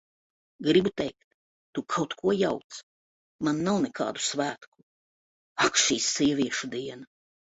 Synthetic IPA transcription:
ɡɾibut̪ɛjkt̪ː | ukʰawt̪kʰuɔjawt̪s | manːawnɛkʰɑ̰ːd̪usvæːt̪ku̥ | akʃiːsːiɛvʲiɛʃud̪iɛna

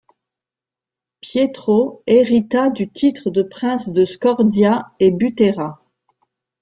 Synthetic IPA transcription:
pjet̪χoeʁit̪ad̪yt̪it̪χəd̪əpχɛ̃sd̪əskɔʁd̪jaebyt̪eʁa

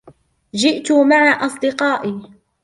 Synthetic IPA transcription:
d͡ʒɪʔt̪ʊmaʕaʔɑsˤd̪ɪqɑːʔiː

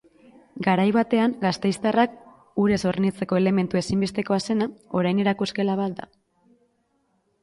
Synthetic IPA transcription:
ɡaɾajβat̪e̞aŋɡast̪e̞jst̪arak̚ | uɾe̞so̞ɾnit͡se̞ko̞e̞le̞me̞nt̪ue̞simbe̞st̪e̞ko̞ase̞nao̞ɾajne̞ɾakuske̞laβ̞at̪̚d̪a̰

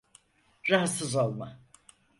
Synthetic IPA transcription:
ɾaɦat̪sɯzo̞lˠma

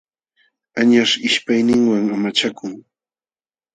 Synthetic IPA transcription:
aɲaʂɪʃpajnɪŋwaŋamat͡ʃakʊŋ

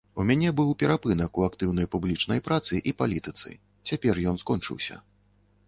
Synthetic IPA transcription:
umʲanʲɛbɨwpʲɛɾapɨnɐkuakt̪ɨwnɐjpublʲit͡ʂnɐjpɾat̪sɨʔipalʲit̪ɨt̪sɨ̰ | t͡sʲapʲɛrjɔnskɔnt͡ʂɨ̰wsʲɐ̰

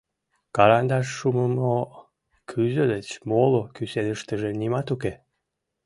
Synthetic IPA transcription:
kɑɾɑnd̪ɑʃːuməmo | kʰyzød̪et͡ɕmolokysenəʃt̪əʒenimɑt̪uke

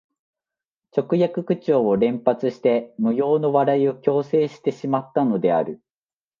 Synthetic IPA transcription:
t͡ɕo̞kɯ̟jakɯ̟kɯ̟t͡ɕo̞ːoɾẽ̞mpat͡sɨɕi̥t̪e̞mɯ̟jo̞ːno̞βaɾaio̞kʲo̞ːse̞ːɕi̥t̪e̞ɕimat̪ːano̞d̪e̞a̰ɾɯ̟

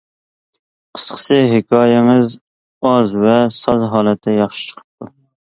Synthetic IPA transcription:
qʰə̥sqʰə̥sɨɦɪkʰɑːjɛŋɨz | ɑzvɛsɑzɦɑːlɛt̪ʰːɛjɑχʃi̥t͡ʃʰə̥qʰə̥p̚t̪u

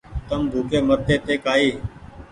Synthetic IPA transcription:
t̪əmbʱuːkʰeːməɾt̪ʰːeːt̪eːkaːiː

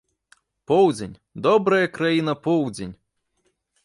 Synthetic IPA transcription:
pɔwd͡zʲenʲ | d̪ɔbɾɐjɐkɾajinɐpɔwd͡zʲenʲ

